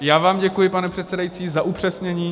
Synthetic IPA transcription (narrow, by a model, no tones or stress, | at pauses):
jaːvaːmɟɛkujɪpanɛpr̝̥ɛt̪sɛdajit͡siːzaʔupr̝̥ɛsɲɛɲiː